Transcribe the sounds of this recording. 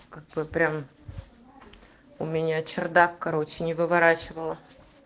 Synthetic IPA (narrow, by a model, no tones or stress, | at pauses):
kaɡ̚bɨpɾʲam | ʊmʲɪnʲat͡ɕɪrd̪akːɐɾo̞t͡ɕʲːɪnʲɪvɨvɐɾat͡ɕɪvəlˠə